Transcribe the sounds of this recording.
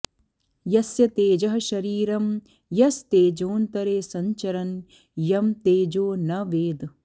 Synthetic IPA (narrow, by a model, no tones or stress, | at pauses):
jɐsjɐt̪eːd͡ʒɐɦɐʃɐɾiːɾɐm | jɐst̪eːd͡ʒoːnt̪ɐɾeːsɐɲt͡ʃɐɾɐn | jɐmt̪eːd͡ʒoːnɐʋeːd̪